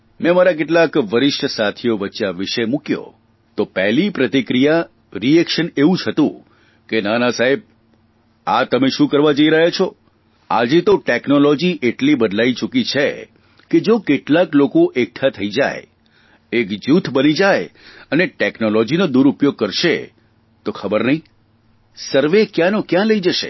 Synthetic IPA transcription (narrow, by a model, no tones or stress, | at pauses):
mɛ̃maɾakeʈlakʋəɾɪʃʈəsat̪ʰijoʋəːt͡ʃaʋɪʃemũkjo̰ | t̪opɛɦlipɾət̪ikɾija | ɾiɛkʃəneʋũt͡ʃʰət̪ṵ̃ | kenanasaɦeb̚ | at̪əmeʃũkəɾʋad͡ʒəiɾəɦet͡ʃʰo | a̰d͡ʒet̪oʈeknolɔd͡ʒiʔeʈlibəd̪lait͡ʃukit͡ʃʰḛ | ked͡ʒokeʈlaklokoʔek̚ʈʰat̪ʰəid͡ʒa̰j | ekd͡ʒut̪ʰbənid͡ʒajəneʈeknolɔd͡ʒinod̪uɾupjoɡ̚kəɾʃḛ | t̪okʰəbəɾnəɦĩ | səɾʋekjãnokjãləid͡ʒəʃḛ